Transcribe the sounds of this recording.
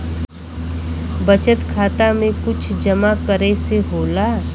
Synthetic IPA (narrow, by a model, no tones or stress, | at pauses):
bət͡ʃət̪kʰaːt̪amẽkʊt͡ʃʰd͡ʒəmakəɾeseɦoːlaː